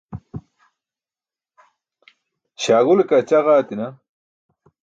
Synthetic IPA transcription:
ɕaːɣulekat͡ɕaɣaːt̪inɐ

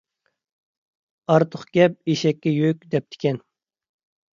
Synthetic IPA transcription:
ɑɾt̪ʰʊχɡ̥ʲɛp̚eʃɛkʲːɛjøkʲd̪ɛp̚t̪ʰɪ̥kʲʰɛn

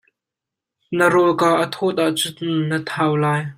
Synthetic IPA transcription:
nəɾɔlkaːʔət̪ʰɔt̪̚aʔt͡sʊnət̪ʰaːwlaːj

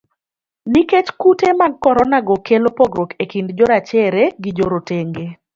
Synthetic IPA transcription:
niket͡ʃkutemaɡ̚kɔɾɔnaɡɔkelopoɡɾokekindd͡ʒɔɾat͡ʃɛɾeɡid͡ʒoɾoteŋɡe

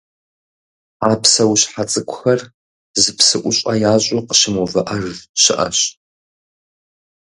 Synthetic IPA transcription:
aːpʰsɐwɕħat͡sʼɨkʷʰʼʊxɐr | zɨpʰsɨʔʷʊɕʷʼɐjaːɕʼʊqə̥ʃɪmovɐʔɐrɕɪʔɐ̰ɕ

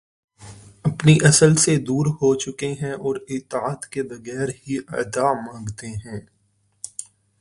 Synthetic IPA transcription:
ɐpniʔɐsəlsed̪uːɾɦot͡ʃʊkeɦɛ̃ʔɔːɾɪt̪ːaːt̪kebɐɣɛːɾɦiʔɐ̰d̪amãːŋɡt̪eɦɛ̃ː

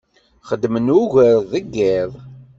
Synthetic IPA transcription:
χəd̪ːmənuʝəɾðəɡːɪðˤ

